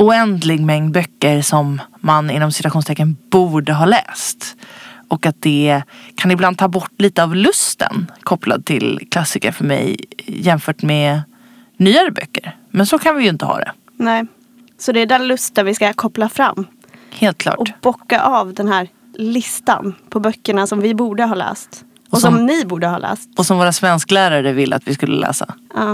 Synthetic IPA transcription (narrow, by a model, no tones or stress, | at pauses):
ʊɛnd̪lɪɡmɛŋd̪̚bœkːəɾʂɔmːanɪnːɔmsɪt̪ʉaɧuːnst̪ʰɛkːənbuːɖəɦɑːlɛ̰ːst̪ʔɔkat̪̚d̪ɛkʰanɪbland̪t̪ʰːbɔʈːliːt̪əavlɵst̪ə̰nkʰɔpla̰d̪̚t̪ʰɪlkʰlasːɪkəɾfœɾmɛ̰jjɛmfœːʈmɛ | nyːaɾəbœ̰kːəɾ | mɛnsɔkʰanvɪjɪnt̪əhɑ̰ːd̪ɛ̰ | nɛː | sɔd̪ɛːɖɛnlɵst̪ənvɪskakʰɔplafɾa̰mː | heːlt̪̚kʰlɑ̰ːʈɔb̥ɔkːaʔɑːvd̪ɛnhæːɾ | lɪst̪a̰npʰɔbœkːəɳasɔmvɪbuːɖəɦɑːlɛ̰ːst̪ | ɔsɔmnɪbuːɖəhɑ̰ːlɛ̰ːst̪ɔsɔmvoːɾasvɛnsklæːɾaɾəvɪlːəa̰t̪vɪskɵlːə̰lɛ̰ːsa̰ɑː